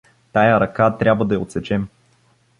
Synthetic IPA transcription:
t̪ajəɾɐkat̪ɾʲabvəd̪ɐjəot̪sɛt͡ʃɛm

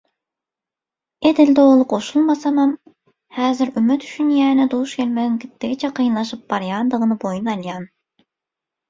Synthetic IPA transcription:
ed̪ɪld̪olˠʊqoʃulˠmɑsɑmɑm | hæːzɪɾymːɪt̪ʰy̥ʃynjɛːnɪd̪ouʃkʲʰelʲmɛd̪ɪŋkʲʰɪt̪ʰːɪɡʲit͡ʃʰɛqʰijɨnlˠɑʃɨp̚b̥ɑɾjɑnd̪əʁənɨbojunɑjlˠjɑn

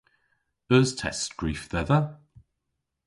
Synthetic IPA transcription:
əːz̥tʰɛ̰stɡ̥ɹiˑfðɛðə

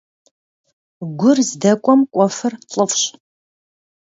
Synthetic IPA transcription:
ɡʷʊrzdɐkʷʼɔmkʷʼɔfɨrt͡ɬʼəfɕ

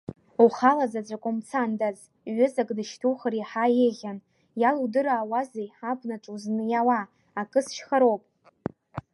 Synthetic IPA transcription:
uχalazat͡sʷʼakʼomt͡sʰandaz | ɥʏzakʼdɨʃtʰuχariħajeʁʲan | jaludɨɾaːwazejħapʷʰʼnaʈ͡ʂʼuznɨjawa | akʼɨsʃχaɾo̞wpʼ

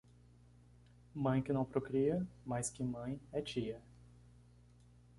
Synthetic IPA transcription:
mɐ̃j̃kɪnɐ̃w̃pɾokɾiɐmajskɪmɐ̃j̃ɛt͡ʃiɐ

